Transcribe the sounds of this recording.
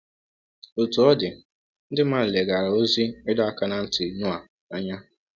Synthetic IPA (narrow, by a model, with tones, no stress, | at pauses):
o˨tu˨ɔ˦dɪ˨ | n̩˦dɪ˦ma˦ɾ̩˨le˨ɡa˨ɾa˨o˦zi˦ɪ˦dɔ˦a˦ka˦na˨n̩˦tʊ˨i˨nu˦a˨ | a˦ɲa˦